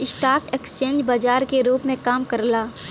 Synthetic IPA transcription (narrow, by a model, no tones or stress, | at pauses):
ɪsʈaːkekst͡ʃẽːnd͡ʒbaːd͡ʒaːɾkeɾuːpmẽkaːmkɐɾlaː